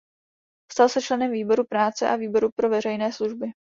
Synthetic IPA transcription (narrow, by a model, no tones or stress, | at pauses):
st̪alsɛt͡ʃlɛnɛmviːbo̞ɾupɾaːt͡sɛʔaviːbo̞ɾupɾo̞vɛr̝ɛjnɛːsluʒbɪ